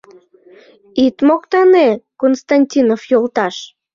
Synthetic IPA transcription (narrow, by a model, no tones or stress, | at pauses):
it̪mokt̪ɑnekonst̪ɑnʲtʲinofjolt̪ɑʃ